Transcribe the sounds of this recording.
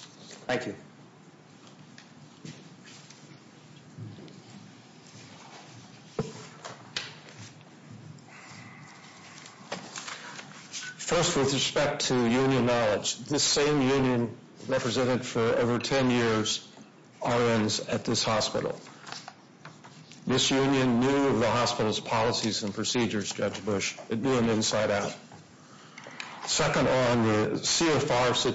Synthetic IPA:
θæ̃ŋkʰjʉ | fɜ˞st̚wɨðɹɨspɛk̚tʰɨjʉ̃njɨ̃nːɑlˠə̥d͡ʒðɪsẽɪ̃mjʉ̃njɨ̃n | ɹɛpɹɨzɛ̃ɾ̃ɨd̥fə˞o̰ʊvə˞tʰɛ̃njɪɹz | ɑɹɨ̃nzɨt̪̚ðɪshɑspɪ̰ɾl̩ˠ | ðɪsjʉ̃njɨ̃nːjʉʌvðəhɑspɪɾl̩ˠz̥pʰɑlˠəsizɨ̃npʰɹ̥ɨsid͡ʒə˞zd͡ʒʌd͡ʒbʊʃɨnʉɨ̃nɨ̃nsaɪɾaʊt̚ | sɛkə̃ndə̃nðɨsiɛfɑɹsɪ

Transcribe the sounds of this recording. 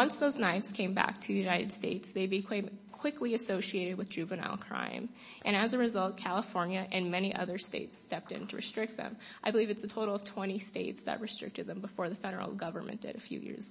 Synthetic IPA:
ʌ̃nsðoʊznaɪvz̥kʰẽɪ̃mbæ̰k̚tʰɨjʉnaɪɾɨd̥steɪtsðeɪbikʰẽɪ̃mkʰw̥ɪkliɨsoʊʃieɪɾɨd̚wɨðdd͡ʒʉvɨnɑ̰lˠkʰɹ̥ã̰ɪ̃m | ʔɨ̃ɾ̃ɨzɨɹɨzʌlˠt̚kʰælˠəfɔɹnjɨʔɨ̃nmɛɾ̃iʔʌ̰ðə˞stḛɪtstɛp̚tɪ̰̃ntʰɨɹɨ̰stɹ̥ɪk̚t̪̚ðɨ̰̃mʔaɪbəlivɨtsɨtʰoʊɾl̩ˠʌv̥tʰw̥ɛ̃ɾ̃isteɪtsðɨ̰t̚ɹɨstɹ̥ɪ̰k̚tɨd̪̚ðɨ̃mbəfɔɹðɨfɛɾə̰˞l̩ˠɡʌvə̰˞mɨ̰̃nd̥ɨ̰ɾɨfjʉ̰jɪ̰ɹz̥

